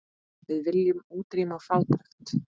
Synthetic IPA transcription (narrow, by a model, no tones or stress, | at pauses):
vɪðvɪljʏmuːt̪ɾiːmafalt̪ɾaxt̪